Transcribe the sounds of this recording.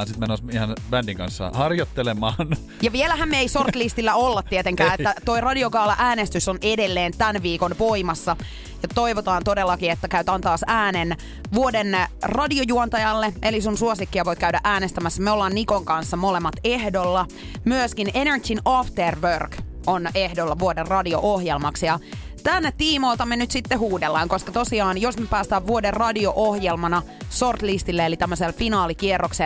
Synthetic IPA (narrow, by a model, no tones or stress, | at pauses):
nsit̪menːosihɑnb̥ændiŋkɑ̰nsːɑ̰hɑrjot̪ːelemɑːn | jɑʋielæɦæmmeisort̪list̪ilːæolːɑt̪ːiet̪eŋkæːet̪ːæt̪o̞irɑdiokɑːlːɑʔæːnest̪ysonedelːeːnt̪ænʋiːkonʋoimɑsːɑ | jɑt̪o̞iʋot̪ɑːnt̪odelːɑkiet̪ːækæyt̪ɑːnt̪ɑːsæːnen | ʋuodenrɑdiojuont̪ɑjɑlːeʔelisunsuosikːiɑʋoikæydæʔæːnest̪æmæsːæmeolːɑːnnikoŋkɑnsːɑmolemːɑt̪ehdolːɑ | myøskinenert͡ʃinɑft̪erʋørk | onehdolːɑʋuoderrɑdio̰ʔohjelmɑksjɑ | t̪ænːet̪iːmoilt̪ɑmenyt̪sit̪ːehuːdelːɑŋkoskɑt̪osiɑːnjosmepæːst̪æːʋʋuoderrɑdioʔohjelmɑnɑ | sort̪list̪ilːeelit̪æmːøselfinɑːlikierːokse